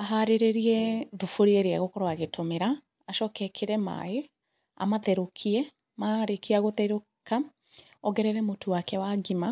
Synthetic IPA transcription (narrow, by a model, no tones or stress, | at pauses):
aɦaɾeɾeɾiɛðufoɾieɾeaɣokɔɾoaɣetʰomeɾa | aʃɔːkɛkʰeɾɛma̰e | a̰maðɛɾokʰiɛ | maɾekeaɣoðɛɾo | ka | ɔɡɛɾɛɾɛmotowakɛwaɡima